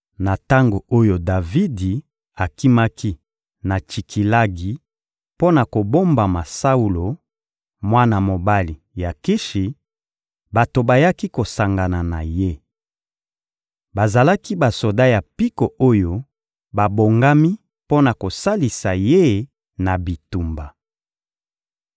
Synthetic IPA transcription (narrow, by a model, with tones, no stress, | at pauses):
na˨ta˦ŋɡo˨o˦jo˨da˨vi˦di˨ | a˨ki˦ma˦ki˦ | na˨t͡ʃi˨kʰi˨la˦ɡi˨ | po˦na˨ko˨bo˦mba˨ma˨sa˦u˨lo˨ | mwa˦na˨mo˨ba˦li˨ | ja˨ki˦ʃi˨ | ba˨to˨ba˨ja˦ki˦ko˨sa˨ŋɡa˨na˨na˨je˦ | ba˨za˨la˦ki˦ba˨so˨da˦ja˨pi˦ko˨ʔo˦jo˦ | ba˨bo˨ŋɡa˦mi˦ | po˦na˨ko˨sa˦li˨sa˨je˦ | na˨bi˨tu˨mba˨